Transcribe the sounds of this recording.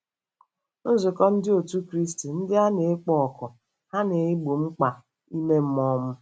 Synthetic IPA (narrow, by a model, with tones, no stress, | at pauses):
n̩˦zʊ˨kɔ˦n̩˦dɪ˦o˨tu˦kɾi˦sti˨n̩˦dɪ˦a˦ne˨˦k͡pɔ˦ɔ˨kɔ˨ | ha˦ne˨ɪ˦ɡ͡bo˨ŋ͡m̩˦k͡pa˨ | i˦me˦m̩˦mɔ˦m̩˦